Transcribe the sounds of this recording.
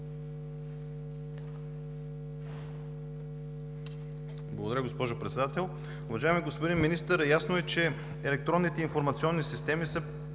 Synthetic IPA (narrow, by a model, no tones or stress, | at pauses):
blˠɐɡʊd̪ɐɾəɡospɔʒʊpɾɛt̪sɛd̪at̪ɛlˠ | ʊvɐʒaɛmiɡospod̪inminist̪əɾjasnoɛt͡ʃɛ | ɛlɛk̚t̪ɾɔnːit̪ɛinfoɾmɐt̪siɔnːisist̪ɛmisə